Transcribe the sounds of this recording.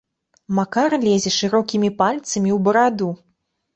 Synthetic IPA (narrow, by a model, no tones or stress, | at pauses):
makarlʲɛzʲɛʂɨɾɔkʲimʲipalʲt̪sɐmʲiwbɐɾad̪u